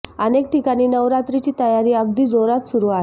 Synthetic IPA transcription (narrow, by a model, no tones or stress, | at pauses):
ənek̚ʈikaɽ̃iːnəʋɾat̪ɾit͡ɕiːt̪əjaɾiːəɡd̪iːd͡zoɾat̪suɾuːaɦ